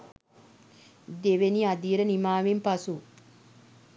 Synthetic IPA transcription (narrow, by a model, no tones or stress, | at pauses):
d̪eʋeniad̪iːɾənimaːʋimpasu